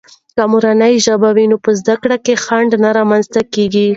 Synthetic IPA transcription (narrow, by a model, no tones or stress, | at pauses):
kamuɾanəjʒabawinopəzd̪akɽakexaɳɖnaɾɑmanzt̪akeɡi